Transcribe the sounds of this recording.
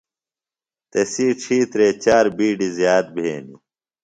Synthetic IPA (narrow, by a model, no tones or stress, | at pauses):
t̪esiːʈ͡ʂʰiːt̪ɾeːt͡ɕaːɾbiːɖizjaːt̪̚bʱḛːni